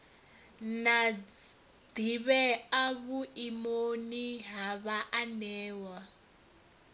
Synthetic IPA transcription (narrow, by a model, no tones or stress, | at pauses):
na | d̪iβɛaβuimoniɦaβaʔanɛːwa